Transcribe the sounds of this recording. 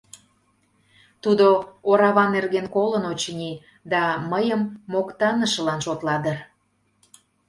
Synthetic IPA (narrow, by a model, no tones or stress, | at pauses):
t̪ud̪ooɾɑβɑnːerɣenkolənot͡ɕənʲi | d̪ɑməjəmːokt̪ɑnəʃə̆lɑnʃot̪lɑd̪ər